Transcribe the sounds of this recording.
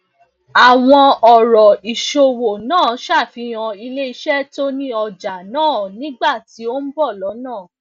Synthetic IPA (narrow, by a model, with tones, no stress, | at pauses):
a˨w̃ɔ̃˧ɔ˨ɾɔ˨i˨ʃo˨wo˨nãː˦˨˦ʃa˦˨fĩ˧j̃ɔ̃˧i˧le˦i˧ʃɛ˦to˦nĩ˦ɔ˧d͡ʒa˨nãː˦˨nĩ˦ɡ͡ba˦˨ti˨˦o˦n̩˦bɔ˦˨lɔ˨˦nãː˦˨